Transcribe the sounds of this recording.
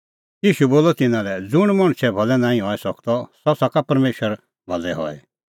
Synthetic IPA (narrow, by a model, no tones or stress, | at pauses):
jiːʃuboːlɔt̪ɪnãlɛd͡zʊɽ̃mɐɽ̃t͡ʃʰɛbʱɔlɛnãːĩɦɔɛsɔkt̪ɔsɔsakapɐɾmeːʃəɾ | bʱɔlɛɦɔ̰ɛ̰